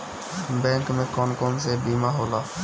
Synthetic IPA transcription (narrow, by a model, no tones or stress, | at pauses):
bɛ̃ŋkmekɔnkomsebimaɦola